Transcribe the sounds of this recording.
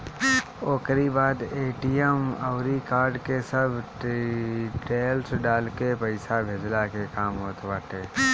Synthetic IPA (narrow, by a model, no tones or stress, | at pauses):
oːkɾibaːd̪eːʈijeməʊɾikaːɾɖkesəbʱ | ʈeːlsɖaːlkepəɪsabʱeːd͡ʒlakekaːmɦoːt̪ʋaːʈ̪eː